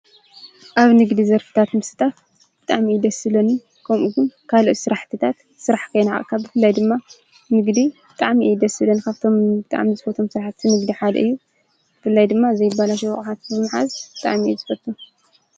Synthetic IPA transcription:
ʔaβnɨɡd̪izɐɾfɨ̥t̪ʰat̪mɨsɨ̥t̪ʰʼaf | b̥ɨt̪ʼaʕmid̪ɐsɨlɐni | kʰɐmʔuɡʊnkʰaloʔ̪sɨɾaħt̪ʰɨt̪ʰat̪ | sɨɾaħkʰɐjnaʕ̰ʼkʰːabɨfɨlːajd̪ɨmːa | nɨɡd̪ib̥ɨt̪ʼaʕmiʔjd̪ɐsɨlɐnkʰaβt̪ʰo̞mbɨt̪ʼa̰ʕmizɨfɐt̪ʰomsɨɾaħt̪ːɨnɨɡd̪iħad̪ɐ̰ɨjːu | b̥ɨfɨlːajd̪ɨmːaɨzɐjɪbalaʃ̬ɛw̰xʼħat̪̚bɨmaħazb̥ɨt̪ʼa̰ʕmiɛzɨfɐt̪ːu

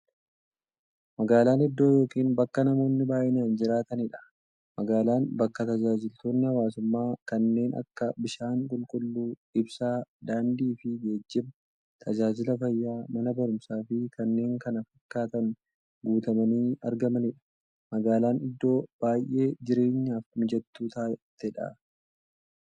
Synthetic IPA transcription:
mɐɡaːlaːnɪd̪ːo̞ːjo̞ːkiːnbɐkːɐnɐmo̞ːnːɪbaːʔɪnaːnd͡ʒɪɾaːt̪ɐnɪᶑɐ̥ | mɐɡaːlaːnbɐkːɐt̪ɐd͡ʒaːd͡ʒɪlt̪o̞ːnːɪhɐwaːsʊmːaːkɐnːe̞ːnɐ̰kːɐbɪʃaːŋkʼʊlkʼʊlːuː | ɪbsaːd̪aːnd̪iːfɪɡe̞ːd͡ʒːɪb | t̪ʰɐd͡ʒaːd͡ʒɪlɐfɐjːaːmɐnɐbɐɾʊmsaːfɪkɐnːe̞ːŋkɐnɐfɐkːaːt̪ɐn | ɡuːt̪ɐmɐniːɐ̰ɾɡɐmɐnɪᶑɐ̥ | mɐɡaːlaːnɪd̪ːo̞ːb̥aːjʔːe̞ːd͡ʒɪɾe̞ːɲːaːfmɪd͡ʒɛt̪ːuːt̪aːt̪ːɛᶑa̰

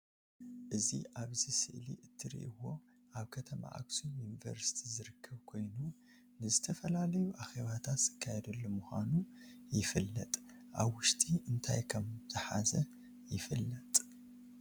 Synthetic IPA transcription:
ʔɨzḭʔaβzisɨ̰ʔlḭʔɨt̪ʰːɨɾḭʔɨwo̞ | ʔaβkʰɐt̪ʰɐma̰ʔa̰ksunjunivɐ̰ɾsi̥t̪ʰizɨɾɨkʰːɐβkʰo̞jnu | nɨzɨt̪ʰɐfɐlalɐjuʔaxeβat̪ʰat̪z̥ɨkʰːajɛd̪ɐlːomuxʷa̰nujɪfɨlːɐt̪ʼʔaβwʊʃt̪ʰiʔɨnt̪ʰajkʰɐmz̥ɨħazɐ | jɪfɨlːɐt̪ʼ

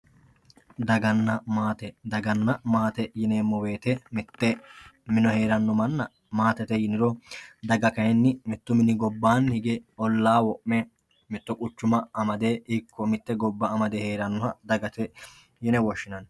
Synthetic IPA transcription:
d̪ɐɡɐnːɐmaːt̪ɛd̪ɐɡɐnːɐmaːt̪ɛjɪneːmːɔweːt̪ɛmɪt̪ːɛmɪnɔhe̞ːɾɐnːɔmɐnːɐ | maːt̪ɛt̪ɛjɪnɪɾɔd̪ɐɡɐkɐjɛnːɪmɪt̪ːʊmɪnɪɡɔbːaːnhɪɡɛɔlːaːwɔʔmɛ | mɪt̪ːɔkʼʊt͡ʃːʊmɐɐmɐd̪eːɪkːɔmɪt̪ːɛɡɔbːɐɐmɐd̪ɛheːɾɐnːɔhɐd̪ɐɡɐt̪ɛ | jɪnɛwɔʃːɪnɐn

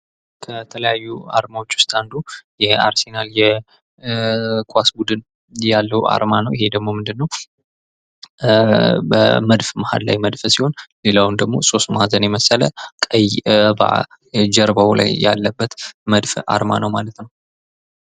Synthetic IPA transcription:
kʰət̪ʰələjajːua̰ɾmawo̞t͡ʃːwʊ̥st̪ʼand̪ujɛaɾsenaljɛ | kʼasbud̪ɨn | jalːəwa̰ɾmanəwʔɪhe̞d̪əɡmo̞mɨnd̪ɨnːəw | bə̰məd̪fmaha̰d̪la̰jməd̪fəsiho̞nle̞lawnd̪əɡmo̞so̞st̪mhazənjɛməsələkʼəjba̰ | d͡ʒəɾbawla̰jja̰lːəbːət̪məd̪fa̰ɾma̰nəwmalət̪nəw

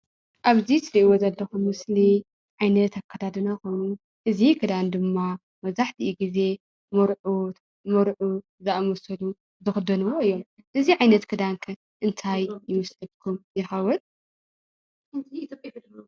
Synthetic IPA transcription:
ʔaβzisɨɾiʔiwozɐlːɐxumːɨsli | ʕajnɐt̪ʰakʰːɐd̪ʰad̪ɨnako̞jnu | ʔɨzikʰɨd̪and̪ɨmːa | mɐzaħt̪ʰiʔiɡize̞ | mɐɾʕut̪ | mɐɾʕu | zɨʔamɐsɐlu | zɨxɨd̪ɐnɨwoɨjːo̞m | ʔɨziʕajnɐt̪kʰɨd̪ankʰɐ | ʔɨnt̪ʰajjɨmɐslɐlkʰumjɪxɐwɔn

